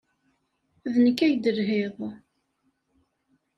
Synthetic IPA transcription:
ðnəkːæjd̪əɾɦeðˤ

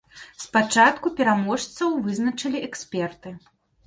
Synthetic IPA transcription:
spat͡ʂat̪kupʲɛɾamɔʂt̪sɐwvɨznɐt͡ʂɐlʲiɛksʲpʲɛrt̪ɨ

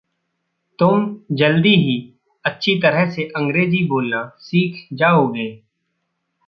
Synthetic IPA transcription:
t̪ʊmd͡ʒəld̪iɦi | ətːʃʰit̪əɾəɦseʔə̃ŋɡɾeːziboːlnasiːkʰd͡ʒaːoɡeː

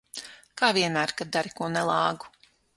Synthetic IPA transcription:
kaːvʲiɛnmæːɾkad̪̚d̪aɾikuɔnɛlˠɑːɡu̥

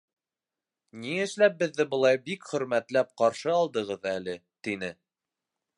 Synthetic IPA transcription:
niɘ̆ʃlæp̚bɘ̆ðːɘbɤ̆lˠɑjbikχɵ̆ɾmæt̪læp̚qɑɾʃɤɑlˠd̪ɤ̆ʁɤðælɘ | t̪inɘ

